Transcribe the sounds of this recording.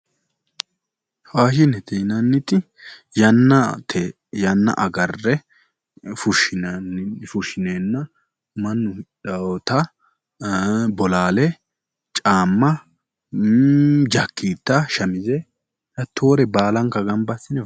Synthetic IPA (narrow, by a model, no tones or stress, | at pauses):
haːʃɪnɛt̪ʰenɐnːɪt̪ɪ | jɐnːɐt̪ʰe | jɐnːɐ̰ʔɐɡɐrːɛ | fʊʃɪfʊʃɪneːnːɐ | mɐnːʊᶑɐɔt̪ɐ | bɔlaːlɛ | t͡ʃʼaːmːɐ | d͡ʒɐkːiːt̪ːɐʃɐmɪzɛ | hɐt̪ʰːo̞ːɾɛbaːlɐŋkːɐɡɐmbɐsːɪnɛ